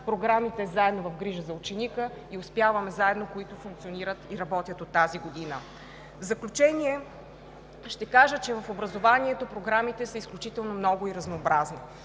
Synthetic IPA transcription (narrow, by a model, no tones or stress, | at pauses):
pɾoɡɾamit̪ɛzaɛd̪novɐfɡɾiʒəzɐut͡ʃɛnikə | iʊspjavɐmɛzaɛd̪nokoit̪ofuŋkt̪sioniɾət̪iɾɐbɔt̪ʲjət̪ot̪ːaziɡod̪inə | vzɐklʲut͡ʃɛniɛ | ʃt̪ɛkaʒət͡ʃɛvɐfobɾɐzovaniɛt̪opɾoɡɾamit̪ɛsəisklʲut͡ʃit̪ɛlˠnomnɔɡʊiɾɐznoːbɾazni